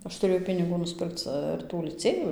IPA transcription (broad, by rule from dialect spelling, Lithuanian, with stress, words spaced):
ˈɐʃ tʊˈrʲeːjɛʊ pʲɪnʲɪˈɡuː nʊsʲˈpʲɪrkt͡s ɪr ˈtuː lʲɪˈt͡sʲeːjuː